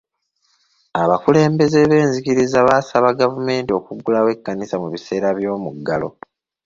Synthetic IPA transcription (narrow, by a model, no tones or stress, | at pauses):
aβakule̞ːmbe̞ze̞βe̞ːnzikiɾizaβaːsaβaɡavume̞ːntio̞ːkuɡːulawe̞kːanisamuβise̞ːɾaβjo̞ːmuɡːalo̰